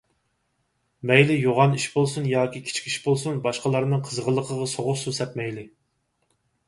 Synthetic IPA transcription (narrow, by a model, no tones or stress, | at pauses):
mɛjlɪjoʁɑniʃbolˠsunjɑːkʲikʲʰi̥t͡ʃʰkʲiʃbolˠsunbɑʃqəlˠɑɾnɨŋqʰəzʁəlˠːəqʰəʁɑsoʁʊqsusɛt̪̚mɛjlɪ